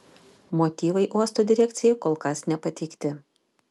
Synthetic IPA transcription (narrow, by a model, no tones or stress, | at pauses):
moːt̪ʲiːʋɐɪʔuɔst̪oːd̪ʲɪɾʲɛkʲt̪sʲɪjɛkoːlˠkɐsnʲɛpɐt̪ʲɛɪkt̪ʲɪ